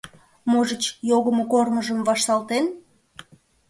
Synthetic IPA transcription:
moʒət͡ɕjoɣəmokorməʒəmvɑʃt̪ɑlt̪en

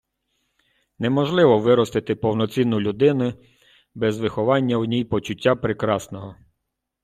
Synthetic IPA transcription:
nemɔʒlˠɪʋɔʋɪɾɔst̪ɪt̪ɪpɔwnɔt͡sʲinːʊlʲʊd̪ɪnʊ | bɛzʋɪxɔʋɑnʲːɐwnʲijpɔt͡ʃʊtʲːapɾɪkɾɑsnɔɦɔ

